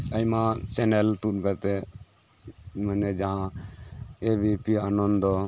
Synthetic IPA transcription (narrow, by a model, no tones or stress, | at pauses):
əjmãt͡ʃɛnɛlt̪ut̪̚kaɾt̪ɛ | manɛd͡ʒaɦã | ebipianɔnd̪d̪ɔ